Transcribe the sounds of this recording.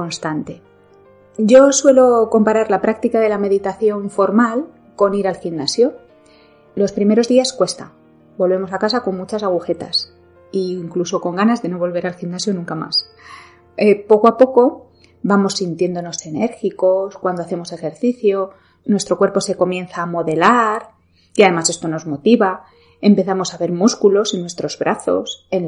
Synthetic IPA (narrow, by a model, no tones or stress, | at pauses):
ko̞nst̪ant̪e̞ | ɟ͡ʝo̞swe̞lo̞ko̞mpaɾaɾlapɾak̚t̪ikaðe̞lame̞ðit̪aθjo̞ɱfo̞ɾmal | ko̞niɾalximnasjo̞ | lo̞spɾime̞ɾo̞zðiaskwe̞st̪a̰ | bo̞lβ̞e̞mo̞sakasako̞ŋmut͡ʃasaɣ̞uxe̞t̪a̰s | iŋkluso̞ko̞ŋɡanazðe̞no̞β̞o̞lβ̞e̞ɾalximnasjonũŋkama̰s | epo̞koapo̞ko̞ | bamo̞sːint̪je̞nd̪o̞no̞se̞ne̞ɾxiko̞skwand̪oaθe̞mo̞se̞xe̞ɾθiθjo̞ | nwe̞st̪ɾo̞kwe̞ɾpo̞se̞ko̞mjẽ̞n̟θaːmo̞ðe̞laɾ | iaðe̞mase̞st̪o̞no̞zmo̞t̪iβa | e̞mpe̞θamo̞saβe̞ɾmuskulo̞sinwe̞st̪ɾo̞zβɾʔaθo̞̰sen